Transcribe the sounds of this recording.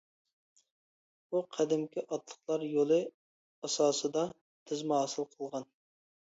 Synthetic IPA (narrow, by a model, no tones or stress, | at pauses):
buqʰɛd̪ɪmkʲiʔɑt̪lˠəχlˠɑɾjolˠɨ | ɑsɑːsɨd̪ɑ | t̪ʰɪzmɦɑːsɨlˠqʰəlˠʁɑn